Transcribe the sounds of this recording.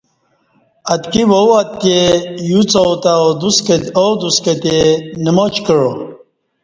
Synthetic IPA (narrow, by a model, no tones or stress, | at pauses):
ɐt̪kiwowɐt̪̚kejut͡sowt̪aod̪uskowd̪uskɐt̪enimot͡ɕkəɻo